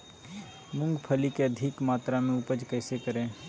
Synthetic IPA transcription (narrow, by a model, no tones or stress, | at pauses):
mʊ̃ŋɡpʰəlikeəd̪ʱɪkmaːt̪ɾamẽʊpəd͡ʒkəɪsekəɾẽː